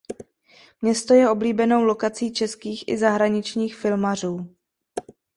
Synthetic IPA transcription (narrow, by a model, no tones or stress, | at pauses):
mɲɛst̪o̞jɛo̞bliːbɛno̞wlo̞kat͡siːt͡ʃɛskiːxʔɪzaɦɾaɲɪt͡ʃɲiːxfɪlmar̝uː